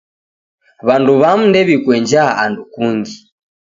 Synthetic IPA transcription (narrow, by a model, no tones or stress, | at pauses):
βanduβam̩ndɛβikwɛɲd͡ʒaandukuŋɡi